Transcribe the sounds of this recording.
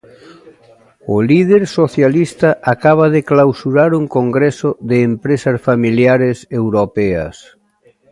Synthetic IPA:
ʊlið̞eɾsoθjalist̪ɐʔakaβ̞aðɪklawsuɾaɾuŋkoŋɡɾɛsoðeːmpɾesɐsfamiljaɾesewɾopɛɐ̰s

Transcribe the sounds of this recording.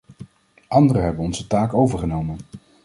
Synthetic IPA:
ʔɑndərəɦɛbənɔnzətaːkowvəɹχənowmən

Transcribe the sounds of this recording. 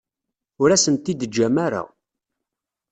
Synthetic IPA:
ʊɾæsənt̪id̪əd͡ʒːæmæɾa̰

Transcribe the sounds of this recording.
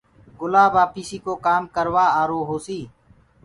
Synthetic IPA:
ɡʊlaːbaːpiːsiːkoːkaːmkəɾʋaːaːɾoːɦoːsiː

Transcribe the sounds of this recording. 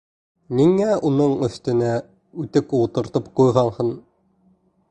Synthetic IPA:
nʲiŋːæunɤɴɵ̆st̪ɘ̆næ | ʉt̪ɘkut̪ɤ̆ɾt̪ɤpqujʁɑlˠhɤn

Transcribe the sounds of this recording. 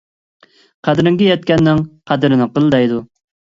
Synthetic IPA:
qʰæd̪ɾɪŋɡʲɛjɛt̪̚kʲɛnːɪŋqʰæd̪ɾɪnɪqəlˠd̪ɛjd̪u

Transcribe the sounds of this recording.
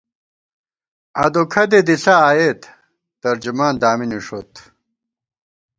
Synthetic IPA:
ɐd̪okʰɐd̪ed̪isaːjet̪ː | ɐɾd͡ʑumaːnd̪aːminiʂot̪

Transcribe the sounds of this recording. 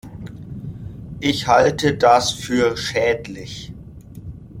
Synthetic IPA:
ʔɪçhaltədasfyːɐʃɛːtlɪç

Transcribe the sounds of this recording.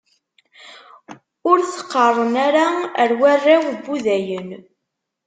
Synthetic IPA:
ʊɾθə̥qːərˤːənaɾaəɾwærːæwbːuðæjən

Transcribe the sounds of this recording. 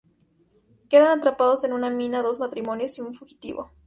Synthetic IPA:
ke̞ðanat̪ɾapaðo̞se̞nũnamĩnaðo̞zmat̪ɾimõ̞njo̞siuɱfuxi̥t̪ḭβo̞̰

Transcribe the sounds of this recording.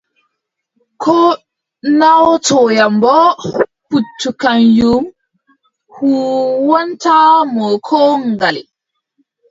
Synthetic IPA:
kʰɔ | nawtɔjambɔputːukanjum | huwɔntamɔkʰɔŋɡalḭ

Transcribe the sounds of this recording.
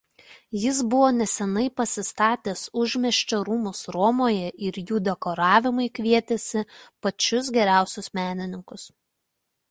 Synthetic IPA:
jɪsbʊʋoːnʲɛsʲɛnɐɪpɐsʲɪst̪ɑːt̪ʲeːsʊʒʲmʲɛʃʲt͡ʃʲɛɾuːmʊsɾɔmoːjɛʔɪɾjuːd̪ʲɛkoːɾɑːʋʲɪmɐɪkʲʋʲiɛt̪ʲesʲɪpɐt͡ʃʲʊs̬ɡʲɛɾʲæˑʊsʲʊsmʲæːnʲɪnʲɪŋkʊs

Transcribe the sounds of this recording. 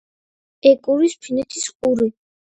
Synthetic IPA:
ɛkʼuɾispʰinɛt̪ʰisqʼuɾi

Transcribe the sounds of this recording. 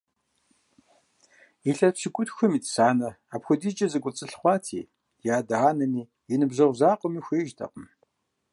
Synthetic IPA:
iɬɐɕiɡʷʼʊtxʷʊmiːtsaːnɐ | apxʷɔdiːd͡ʒʼɐzɨɡʷʼʊt͡sʼɨɬχʷɑːtʰḭː | jaːdaːnɐmiː | jɪnɨbzɐʁʷzaːqʷʼɔmiːxʷeːʒtʰɐ̰qəm

